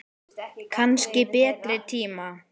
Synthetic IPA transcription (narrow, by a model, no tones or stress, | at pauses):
kʰanscɪpɛːt̪ɾɪt̪ʰiːma